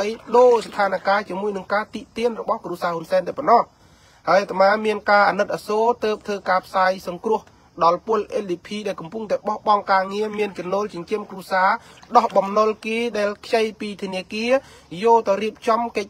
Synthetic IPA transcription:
əjɗoːst̪ʰaːnakaːt͡ɕiəmuəjnɨŋkaːt̪iʔt̪iənrɔɓɑhkruəsaːhunsaɛnt̪aɛpɑnːɑh | haəjʔat̪ʰmaːmiənkaːʔaːnɨt̪̚ʔasoːt̪əːp̚t̪ʰəːkaːpʰsaːjsɑŋkrʊ̆əh | ɗɑlpʊ̆əlʔeːlɗiːpʰiːɗaɛlkɑmpuŋt̪aɛɓɑhɓɑŋkaːŋiəmiənt͡ɕɑnːoːlt͡ɕɑɲt͡ɕiəmkruəsaːɗɑhɓɑmnolkeːɗaɛlkʰjəjpiːt̪ʰiəniəkiə | joːlt̪awriəp̚t͡ɕɑmkəc̚

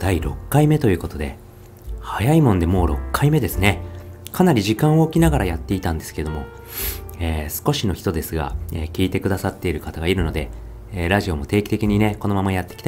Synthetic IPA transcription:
d̪̥aiɾo̞̰kːaime̞t̪o̞jɯ̟ːko̞t̪o̞d̪e̞ | hajaimõ̞nd̪e̞mo̞ːɾo̞kːaime̞d̪e̞sɨne̞kʰanaɾʲiʑikãɰ̃oːkʲinaɡaɾajat̪ːe̞it̪ãnd̪e̞sɨ̥ke̞d̪o̞mo̞̰ | eːsɨ̥ko̞ɕino̞çʲi̥t̪o̞d̪e̞sɨɡa̰eːkʲiːt̪e̞kɯ̟d̪asat̪ːe̞iɾɯ̟kat̪aɡaiɾɯ̟no̞d̪e̞ | ɾaʑio̞mo̞t̪e̞ːkʲi̥t̪e̞kʲiɲ̟ine̞ko̞no̞mamajat̪ːe̞kʲi̥t̪a

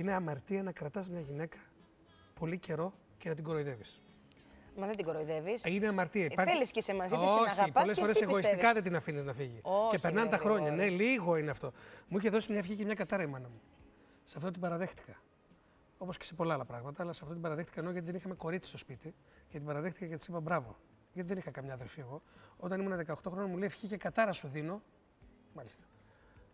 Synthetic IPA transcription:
ine̞ɐmɐɾt̪iɐnɐkɾɐt̪ɐzmɲɐʝine̞kɐ̥ | po̞lice̞ɾo̞ | ce̞nɐt̪iɡo̞ɾo̞iðe̞vis | mɐðend̪iɡoɾoiðevisine̞ɐmɐɾt̪iɐipɐɾliskisemɐzioɐɣipolesosɾeseɣosisstt̪ikɐðet̪̬inɐfiniznɐfiʝicepe̞ɾnɐnet̪ɐxɾo̞ɲɐne̞liɣo̞ineɐft̪o̞muiçe̞ðo̞simɲɐfçicemɲɐkɐt̪ɐɾɐimɐnɐmu | sɐft̪o̞t̪̬ibɐɾɐðe̞xt̪i̥kɐ̥ | o̞po̞sce̥sepo̞lɐɐlɐpɾɐɣmɐt̪ɐːlɐsɐft̪o̞t̪ibɐɾɐðext̪i̥kɐenoʝɐt̪iðeixɐmeko̞ɾitt͡si̥st̪o̞spit̪i | cet̪ibɐɾɐðe̞xt̪i̥kɐcet̪i̥sipɐbɾɐvo̞̰ | ʝɐt̪iðenixɐkɐmɲɐːðe̞lfie̞ɣo̞ot̪ɐnimunɐðe̞kɐoxt̪o̞xɾonɐmuleːfçicekɐt̪ɐɾɐsuðino̞ | mɐlist̪ɐ̥

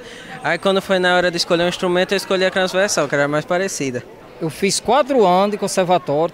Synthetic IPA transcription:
aikwɐ̃nd̪ʊfojnɐɔɾɐd̪ɪiskoleɾũĩst̪ɾumẽnt̪ʊewɪiskoʎiɐt̪ɾɐ̃zvɛɾsɐ̃w̃kɛɾɐmajspaɾesid̪ɐ | ewfiskwat̪ɾʊɐ̃d̪ɪkõsɛɾvat̪ɔɾ

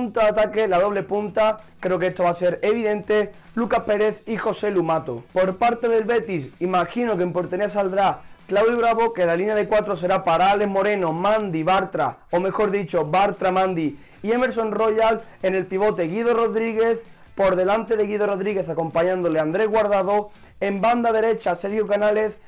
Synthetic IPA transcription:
unt̪aat̪ake̞laðo̞β̞le̞punt̪a | kɾe̞okeest̪o̞βase̞ɾeβ̞iðẽ̞nt̪e̞ | lukahpe̞ɾe̞θixo̞se̞lumat̪opo̞ɾpaɾt̪eðelβe̞t̪isimaxinokempo̞ɾt̪eniasald̪ɾaklawðjiβ̞ɾaβo̞ke̞lalinjaðe̞kwat̪ɾo̞se̞ɾapaɾaale̞ɦmo̞ɾe̞nomãnd̪iβaɾt̪ɾa̰ome̞xo̞ɾðit͡ʃoβaɾt̪ɾamãnd̪i | ie̞me̞ɾs̬o̞nro̞jal | ene̞lpiβ̞o̞t̪e̞ɣiðoro̞ðɾiɣ̞e̞θ | po̞ɾðe̞lant̪e̞ðe̞ɣiðoro̞ðɾiɣe̞θako̞mpaɲãnd̪o̞leand̪ɾe̞ɦɣwaɾðaðo̞ | emband̪aðe̞ɾe̞t͡ʃase̞ɾxjukanale̞θ

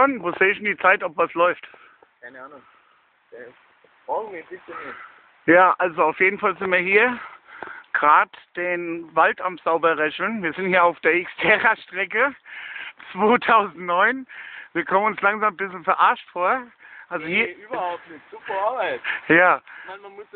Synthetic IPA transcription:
onvoːz̥eːɪçɪndiːt͡saɪtɔpvaslɔʏftʰ | aɪnəaːnʊŋ | fɔɡminbɪsənɪ | jaːʔalzoaʊfjeːdn̩falzɪntviːɐhiːɐ | ɡ̥ʁaːtd̥eːnvaltamz̥aʊbɐʁɛçl̩nviːɐzɪnthiːɐaʊfd̥eːɐɪkstʰɛːʁaʃtʁ̥ɛkə | t͡sv̥oːtʰaʊzn̩tnɔʏnviːɐkʰɔmənʊnslaŋzaːmbɪsl̩fɛɐʔaɐʃtfoːɐʔalzohiːɐyːbɐhaʊp̚nɪz̥uːpɐaɐbaɪtjaːmanmamʊs

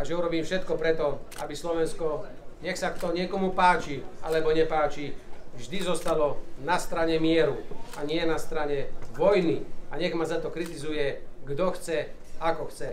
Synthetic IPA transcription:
aʒɛuɾɔbiːmfʃɛt̪kɔpɾɛt̪ɔabislɔʋɛnskɔ | ɲɛxsat̪ɔɲɪɛkɔmupaːt͡ʃia̰lɛbɔɲɛpaːt͡ʃivʒd̪izɔst̪alɔnast̪ɾaɲɛmɪɛɾuaɲɪɛnast̪ɾaɲɛʋɔjniaɲɛɣmazat̪ɔkɾit̪izujɛɡd̪ɔxt͡sɛakɔxt͡sɛ

